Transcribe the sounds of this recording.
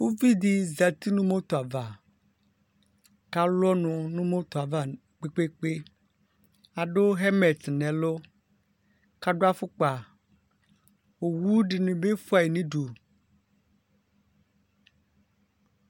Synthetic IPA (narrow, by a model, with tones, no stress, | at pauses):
wo˦vi˦d̪i˦za˨t̪i˦nũ˦mo˦t̪o˨a˨va˨ | ka˦lɔ˦nũ˨nũ˦mo˦t̪o˨a˨va˦ | k͡pe˦k͡pe˦k͡pe˦ | a˨ɖo˦ɦe˦mɛ˨t̪nɛ̃˨lo˦ | ka˦ɖo˦a˦fo˦k͡pa˨ | wo˨wu˦ɖi˨nĩ˨be˦fo˦a˨e˨nĩ˦ɖo˨